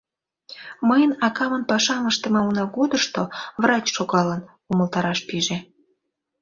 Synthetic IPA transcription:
məjənɑkɑmənpɑʃɑnəʃt̪ə̆mɑunɑɡod̪əʃt̪ovrɑt͡ɕʃoɣɑlən | uməlt̪ɑɾɑʃpiʒe

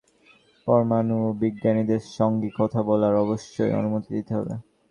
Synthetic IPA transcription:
pɔɾmanubiɡːanid̪eɾʃɔŋɡikɔt̪ʰabɔlaɾɔboʃːojḛo̰numot̪id̪it̪eɦɔ̰bḛ

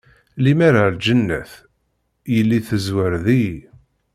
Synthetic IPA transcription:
limæɾald͡ʒənːæ̰θ | jəlːiθəzwəɾði

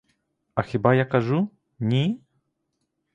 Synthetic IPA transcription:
ɐxʲibajakaʐu | nʲi

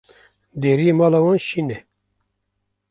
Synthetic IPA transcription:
d̪eːɾiemɑːlawɑnʃinɛ

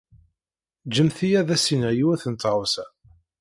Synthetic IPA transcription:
d͡ʒəmθijæðæsinəʕjiwæθənt̪ɾwsæ

